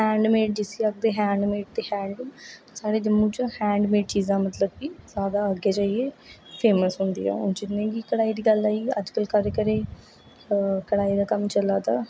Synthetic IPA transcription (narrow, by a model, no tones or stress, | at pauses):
hɛ̃ːɳɖmeːʈ̚d͡ʒɪsiːək̚d̪eːɦɛ̃ːɳɖmeːʈ̚t̪eːhɛ̃ːɳɖ̪asaːɽeːd͡ʒ̪ɪmːũːt͡ʃhɛ̃ːɳɖmeːʈt͡ʃiːzãːmət̪ləbːiːzaːd̪aːəɡeːd͡ʒaːieːpʰeːməsɦʊ̃nd̪ḭːɛ̰ːʊnd͡ʒɪnːẽːɡikəɽaːiːd̪iːɡəlːaːiːə̰d͡ʒkəlkəɾeːkəɾeː | kəɽaːiːd̪aːkəmt͡ʃəlaːt̪aː